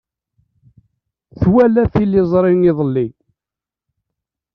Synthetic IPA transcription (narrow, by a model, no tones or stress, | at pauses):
θwælæθilːɪzˤɾˤɪnɪðˤəlːi